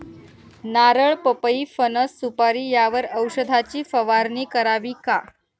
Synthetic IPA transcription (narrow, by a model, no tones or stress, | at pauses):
naɾəɭpəpəiːfənəsːupaɾiːjaʋəɾəwɕəd̪ʱat͡ɕiːfəʋaɾniːkəɾaʋiːka